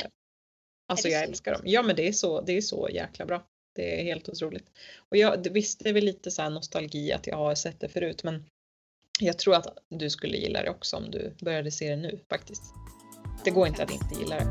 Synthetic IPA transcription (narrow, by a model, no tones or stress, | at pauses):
ʔalsɔjɑɛlskaɖɔ̰mjɑːmɛnd̪ɛæʂɔd̪ɛæʂɔ̰jæ̰ːklabɾɑː | d̪̥ɛɾheːlt̪ʊt̪ʰɾuːlɪɡ̚t̪ɔjɑːd̪ɛvɪst̪əɛɾvɛlːiːt̪əsaæːɳɔst̪alɡiːa̰t̪jɑ̰ːɡhaɾsɛt̪̚ːd̪ɛfœɾʉ̟ːt̪mɛn | jɑɡ̚t̪ʰɾuːɾat̪d̪ɵskɵlːə̰jɪ̰lːa̰d̪ɛ̰ɔksɔɔ̰md̪ɵ̰bœɾjad̪əseːd̪ɛnʉ̟ːfak̚t̪ɪst̪ | d̪̥ɛɡoːɾɪnt̪əat̪d̪ɪ̰nt̪əjɪ̰lːaɾɛ̰